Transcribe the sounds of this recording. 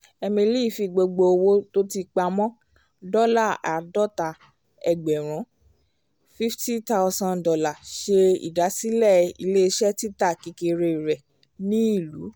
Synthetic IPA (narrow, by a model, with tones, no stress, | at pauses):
ɛ˧mĩ˧li˦˨fi˧ɡ͡bo˧ɡ͡bo˧o˧wo˦to˦ti˧k͡pa˧mɔ̃˦ | dɔ˦la˦˨a˨dɔ˦ta˨˦ | ɛ˨ɡ͡bɛ˨ɾ̃ɔ̃˨˦ | fi˦fti˦ta˦˧sã˧ndɔ˧la˨ʃe˧ḭ˨da˨˦si˦lɛ˦˨ḭ˧le˦˧ʃɛ˦ti˦ta˦˨ki˧ke˧ɾe˧i˨ɾɛ˨ | nĩ˦i˦˨lu˨˦